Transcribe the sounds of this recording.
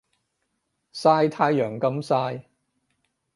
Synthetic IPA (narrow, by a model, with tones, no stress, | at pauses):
saː˧jt̪ʰaː˧˥jjœː˨˩ŋkɐ˧msaː˧j